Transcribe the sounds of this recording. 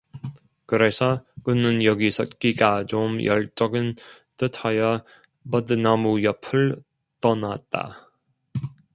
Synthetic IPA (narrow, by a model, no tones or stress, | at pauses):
kɯɾesʰʌkunɯnjʌɡisʰʌt̚k͈iɡat͡ɕomjʌɭt͡ɕ͈ʌɡɯn | tɯtʰajʌ | mʌdɯnamujʌpʰɯɭ | t͈ʌnat̚t͈a̰